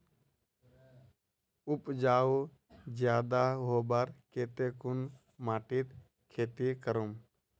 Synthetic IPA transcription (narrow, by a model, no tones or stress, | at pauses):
ʊpd͡ʒaːu | d͡ʒjaːd̪aɦoːbaɾkeːt̪ekʊn | maːʈit̪ | kʰeːt̪ikəɾum